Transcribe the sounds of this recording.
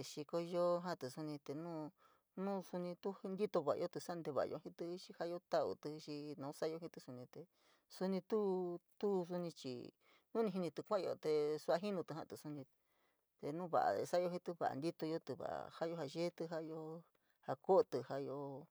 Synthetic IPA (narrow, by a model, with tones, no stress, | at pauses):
t̪e˨˧ʃi˧ko˧jo˦ɦã˦˧t̪ɨ˨su˧nĩ˧t̪e˧˨nũ˦ | nũː˦su˧nĩ˧t̪u˦˧nd̪i˦t̪o˧βa˨a̰˧o˦t̪ɨ˧sa˦˧nd̪e˧βa̰˨a̰˧jo̰˧hĩ˧t̪ɨ˧ʃi˧ha˦jo˧˦t̪a˦ṵ˧t̪ɨ˧ʃi˧nõ˨˧˦sa˦jo˧ɦĩ˧t̪ɨ˧su˧nĩ˧t̪e˨ | su˧nĩ˧t̪u˦t̪u˦s̬u˧nĩ˧t͡ʃḭ˧˨ | nũ˦nĩ˧ɦi˧nĩ˧t̪ɨ˧kʷã˦˧o̰˧t̪e˧su˧˦a˧ɦi˦nũ˧t̪ɦã̰˦˧t̪ɨ˧˨su˧nĩ˧ | t̪e˧nũː˦βa̰˨ʔa̰˨˧sa˦jo˧ɦĩ˧t̪ɨ˧βa̰˨ʔa̰˨nd̪i˦t̪o˧jo˦t̪ɨ˧βa̰˨ha˦jo˧ha˧ʒe˦t̪ɨ˧ɦa˦˧jo˧˦ | ha˧ko˦˧t̪ɨ˧ha˧jo˧